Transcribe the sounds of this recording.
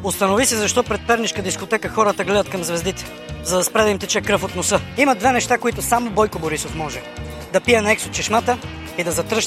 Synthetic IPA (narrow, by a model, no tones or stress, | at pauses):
ost̪ɐnovisizɐʃt̪ɔpɾɛt̪̚pɛɾniʃkəd̪iskot̪ɛkəxɔɾət̪əɡlɛd̪ɐt̪kɐmzvɛzd̪it̪ɛ̥ | zɐd̪ɐspɾɛd̪ɐimt̪ɛt͡ʃɛkɾɤfot̪nosɤəimɐd̪vɛnɛʃt̪akoit̪ʊsamobɔjkoboɾisofmɔʒɛ | d̪ɐpijɛnɐɛksot̪̚t͡ʃɛʃmat̪ə | id̪ɐzɐt̪ɾɤʃ